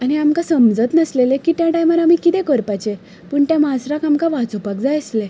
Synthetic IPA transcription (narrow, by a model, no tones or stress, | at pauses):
aniamkãsəmd͡zət̪nəslelekit̪jãʈajmaɾam̤ikit̪ẽkəɾpat͡ɕe | pəːɳt̪jãmasɾãkamkaʋat͡sopak̚d͡zajəsle